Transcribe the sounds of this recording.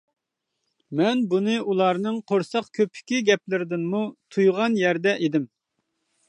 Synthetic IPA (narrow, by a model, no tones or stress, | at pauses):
mɛnbunɨʔulˠɑɾnɨŋqʰoɾsɑqkʲʰøpʰɪ̥kʲiɡʲɛp̚lɪɾɪd̪ɪnmut̪ʰujʁɑnjɛɾd̪ɛʔed̪ɪm